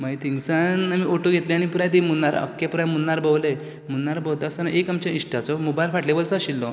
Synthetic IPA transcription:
mait̪iŋɡsanamiʔoʈoɡʱet̪lẽañipuɾãt̪imunːaɾə̰kːepuɾamunːaɾbəwle | munːaɾbəwd̪asanaʔekamt͡ɕaiʂʈat͡sɔmubajlfaʈlebəlt͡saɕilːɔ

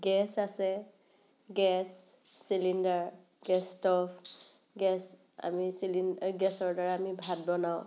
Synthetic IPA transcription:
ɡɛsasɛ | ɡɛsː | ilindaɹ | ɡɛstɔfʰ | ɡɛs | a̰misilinɡɛsɔɹdaɹaːmibʱad̚bɔnaʊ̃

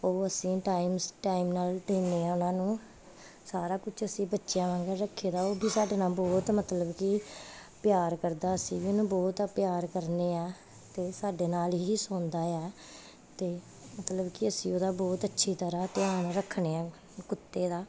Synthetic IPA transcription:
oːəsĩːʈaːiːmʈaːimnaːlɖeːneːɛːʊnãːnũː | saːɾaːkʊt͡ʃʰəsĩːbətːʃɪjãːʋãːŋɡəɾɾəkʰːeːd̪aːoːbiːsaːɖeːnaːlbɔːt̪mət̪ləbkɪpjaːɾkəɾd̪aːəsĩːbiːonũːbɔːt̪pɪjaːɾkəɾneːɛː | t̪eːsaːɖeːnaːlɦiːsõːnd̪aːɛː | t̪eː | mət̪ləbkɪəsĩːoːd̪aːbɔːt̪ətːʃʰiːt̪əɾãːt̪ɪaːnːɾəkʰːɳeːɛ̃ː | kʊt̪ːeːd̪aː

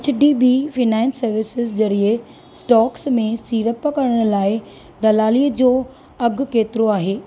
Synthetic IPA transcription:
t͡ɕʰɖiːbiːfɪnãːnsːɐɾʋɪsɪzd͡ʑɐɾiə | sʈɔːksmẽsiːɾəpəkɐɽəɽ̃ʊ̆laːɪ | d̪ɐlaːliːəd͡ʑoː | ɐɡʱʊ̆keːt̪ɪɾoaːɦeː

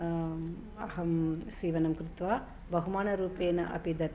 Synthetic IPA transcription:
ɐɦɐmsiːʋɐnɐmkɾut̪ʋaː | bɐɦumaːnɐɾuːpeːnɐ̰ʔɐ̰pid̪ʱɐ

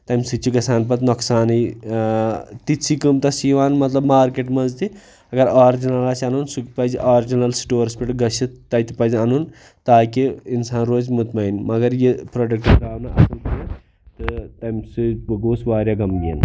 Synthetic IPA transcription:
t̪ɐjmsɨt͡ʃːiɡɐsaːnp̬ɐt̪noksaːnij | t̪it͡sʰikɨmt̪ɐsiʋaːnmɐt̪lɐbmaːɾkeʈmɐnzt̪i | ɐɡɐɾaːɾd͡ʒinɐlaːsʲɐnunsukpɐzʔaːɾd͡ʒinɐlsi̥ʈoːɾspiʈɡɐʃit̪ːɐjt̪ipɐzɐnun | t̪aːkiinsaːnɾoːzmut̪mɐinʲmɐɡɐɾjipɾoɖɐk̚ʈɐɾaːʋnɐʔɐ̰sɐnp̪i | t̪ɨt̪ɐjmsɨbɐɡoːsʋaːɾjaːɡɐmɡiːn

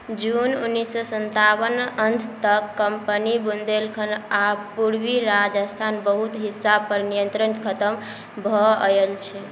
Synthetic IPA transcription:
d͡ʒununːisːəsənt̪abənənt̪ʰt̪əkːəmpənibund̪elkʰənapuɾbiɾad͡ʒəst̪ʰanbəɦut̪ɦisːab̚pəɾnijənt̪ɾənkʰət̪əm | bʱɔelt͡ʃʰɛ

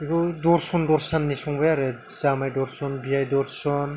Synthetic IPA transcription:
ikɔdɔɾsɔndɔɾsanːisɔŋbɯjaɾe | z̥amajdɔɾsɔnbijajdɔɾsɔn

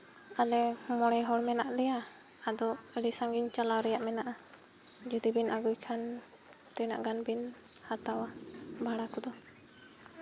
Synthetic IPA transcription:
alɛmɔɽɛjɦɔlmɛnaʔdɛja | ad̪ɔ | əɖisaŋɡiɲt͡ʃalawɾɛjaʔmɛnaʔa | d͡ʒud̪ibinaɡujkʰan | t̪ɛjna̰ʔɡanbin | at̪awa | bʱaɽakud̪ɔ

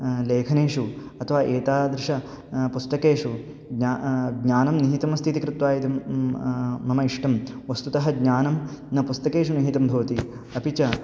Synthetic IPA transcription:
leːkʰɐneːʂuɐt̪ʰɐʋaːʔeːt̪aːd̪ɾɪʂɐ | pust̪ɐkeːʂu | ɡɲaɡɲaːnɐmniɦit̪ɐmɐst̪ʰit̪ikɾɪt̪ʋaːjid̪i | mɐmɐiʂʈɐmʋɐst̪ut̪ɐɦɐɡɲaːnɐmnɐpust̪ɐkeːʂuniɦit̪ɐmbʱɐʋɐt̪i | ɐpit͡ʃɐ

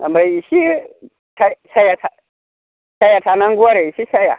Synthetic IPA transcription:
a̰mbaiʃi | tasajata | ʃajatanaŋɡuwaɾeiʃiʃaja̰

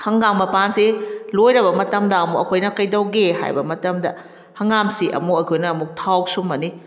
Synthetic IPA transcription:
hɐŋɡaŋmɐpansilojɾɐbɐmɐtɐmdɐɐmukɐ̰kʰojnɐkɐjdɐwɡeɦa̰jbɐmɐtɐmdɐ | hɐŋamsiʔɐ̰mukɐkʰojnɐɐmuk̚tʰawk̚sumːɐni

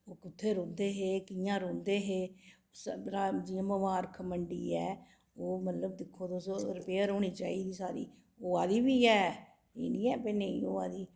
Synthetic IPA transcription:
oːkʊt̪ʰːeːɾõːnd̪eːɦeːkɪjãːɾõːnd̪eːɦeː | səɾaːd͡ʒɪjãːməʋaːɾkʰəməɳɖiːɛː | oːmət̪ləbd̪ɪkʰːoːd̪oːsɾəpeːəɾoːniːt͡ʃaːiːd̪iːsaːɾḭː | oːaːd̪iːbiːɛː | ḛːnĩːɛːpeːnəḭ̃ːoːaːd̪iː

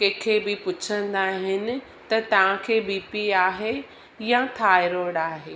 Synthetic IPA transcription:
kɐ̃kʰebɪpʊt͡ɕʰə̃n̆d̪aːɦɪnɪ̆ | t̪ɐt̪ɐʋ̤ãkʰeːbiːpiaːɦe | jãt̪ʰaːɪɾoːɽaːɦeː

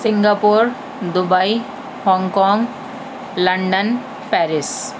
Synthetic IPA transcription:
siŋɡapuɾ | d̪ubaj | hɔŋkɔŋ | lɐɳɖən | pɛɾis

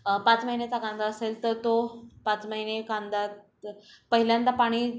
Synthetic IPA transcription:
pãt͡sməɦinet͡sakãnd̪aəselt̪əɾt̪opãt͡sməɦinekãnd̪at | pəɦiljãnt̪apaɽ̃iː

